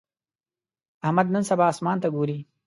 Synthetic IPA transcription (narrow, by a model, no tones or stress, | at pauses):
ahmad̪nənsabɑːsmɑnt̪aɡoːɾi